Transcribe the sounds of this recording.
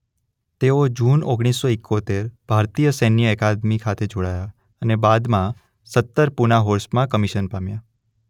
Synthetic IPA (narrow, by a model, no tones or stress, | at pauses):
t̪eod͡ʒunoɡɽ̃isːoɪkʰːot̪eɾb̥ʱaɾt̪ijəsɛnːjəɛkad̪mikʰat̪ʰed͡ʒoɽaja | ənebad̪mã | sət̪ːəɾpunaɦoɾsmãkəmiʃənpamja